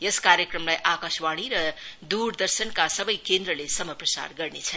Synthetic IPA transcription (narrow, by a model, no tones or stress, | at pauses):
jeskaɾjekrʌmlajʔakaswaɽ̃iɾʌd̪uɾd̪ʌrsʌnkasʌbʌjkend̪ɾʌlesʌmʌprʌsa̰rɡʌrnet͡sʰʌn